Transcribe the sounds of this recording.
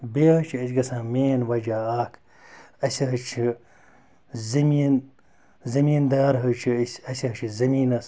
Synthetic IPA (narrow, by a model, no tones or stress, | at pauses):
beːɦɐt͡ʃʰiɐsɡɐsãːmeːnwɐd͡ʒaːaːkʰ | ɐsɐɦɐt͡ʃʰi | zɐmiːn | zɐmiːnd̪aːɾɦɐt͡ʃʰiisɐsiɦɐt͡ʃʰizɐmiːnɐs